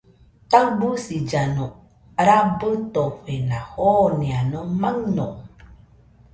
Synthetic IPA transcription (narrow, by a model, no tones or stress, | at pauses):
tabusid͡ʒano | ɾabət̪oɸenahonianomaŋno̰